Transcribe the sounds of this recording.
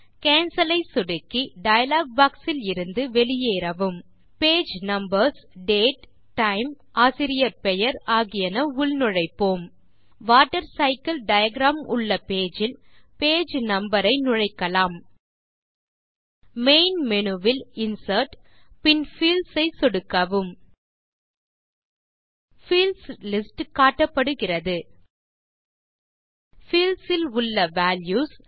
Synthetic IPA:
keːnsɐlɐɪsʊɽɯkːiɖɐjɐlaːɡ̚baːksɪlɪɾɯnd̪ɯʋɛlɪjeːɾɐʋɯm | peːd͡ʒnɐmbɐɾsɖeːʈ | ʈːɐɪm | ʔaːsɪɾɪjɐɾpɛjɐɾaːɣɪjɐnɐʊɭnʊɻɐɪpːoːm | ʋaːʈːɐɾsɐɪkɐlɖɐjɐɡɾaːmʊ̰ɭːɐpeːd͡ʒɪlpeːd͡ʒnɐmbɐɾɐɪnʊɻɐɪkːɐlaːm | meɪnmɛnɯʋɪlɪnsɐɾʈpɪnfiːlsɐɪsɔɽɯkːɐʋɯm | fiːlslɪsʈkaːʈːɐpːɐɽɯɣɪrɐðɯ | fiːlsɪlʊɭːɐʋaːljuːs

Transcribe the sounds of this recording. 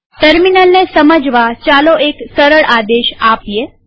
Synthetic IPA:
ʈəɾminəlnesəməd͡ʒʱʋat͡ʃaːloʔeːksəɾəɭʔaːd̪eːʃaːpijeː

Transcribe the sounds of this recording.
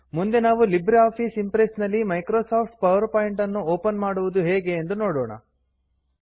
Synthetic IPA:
mund̪e̞naːʋulibɾiaːpʰisimpɾesnɐlːimɐjkɾoːsaːpʰʈ̚pɐʋɐɾpaːjiɳʈɐnːuoːpɐnmaːɽuʋud̪uɦeːɡe̞ːnd̪uno̞ːɽɔːɳɐ̰

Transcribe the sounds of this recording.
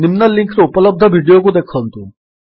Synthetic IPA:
nimnɐlĩŋkɾeupələb̚d̪ʱəbʱiɖijokud̪ekʰənt̪ũ

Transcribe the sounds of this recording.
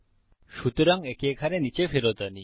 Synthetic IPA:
ɕut̪ɯɾaŋekekʰaɾenit͡ɕeɸeɾɔd̪ani

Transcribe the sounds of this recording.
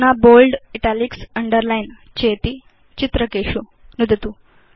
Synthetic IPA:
nabolɖiʈaliksəɳɖəɾlajn | t͡ɕet̪iː | t͡ɕit̪ɾəkeɕu | nud̪ʱt̪uː

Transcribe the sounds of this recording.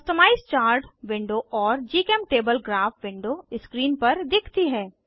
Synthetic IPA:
ʊst̪əmaːist͡ʃaːɾʈʋɪ̃ɳɖoʔɔːɾd͡ʒiːkɛmʈeːbəlɡɾaːfʋɪ̃ɳɖoːɪskɾiːnpɐɾd̪ɪkʰt̪iɦɛː

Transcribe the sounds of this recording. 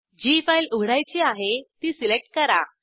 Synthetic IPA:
d͡ʑifajluɡʱɽajt͡ɕiːaɦet̪iːsilek̚ʈ̚kəɾa̰

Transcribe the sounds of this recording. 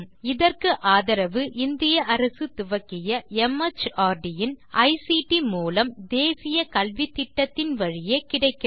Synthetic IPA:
ɪðɐrkɯʔaːðɐɾɐʋɯʔɪnd̪ɪjɐʔɐɾɐsɯt̪ʊʋɐkːɪjɐɛmːɐt͡ʃːaːɾɖɪjɪnɐɪsiʈimuːlɐmd̪eːsɪjɐkɐlʋɪt̪ːɪʈːɐt̪ːɪnʋɐɻɪjeːkɪɽɐɪkːɪ

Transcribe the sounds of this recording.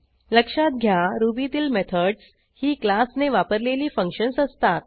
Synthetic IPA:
ləkʂat̪̚ɡʱjaɾubit̪iːlmet̪ʰəɖs | hiːklasneʋapəɾleliːfəŋkʂənsəst̪at̪̚

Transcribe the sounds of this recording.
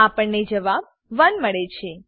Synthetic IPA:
apəɳned͡ʒəʋab̚ | ʋənməɭet͡ʃʰe

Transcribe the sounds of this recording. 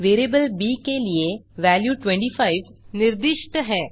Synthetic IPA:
ʋeːɾebəlbikelieʋæljuʈʋẽɳʈifaiʋniɾd̪iʂʈəɦɛː

